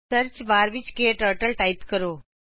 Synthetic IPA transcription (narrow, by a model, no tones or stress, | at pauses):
əɾt͡ʃbaːɾʋɪt͡ʃkeʈəːʈəlʈaːɪpkəɾoː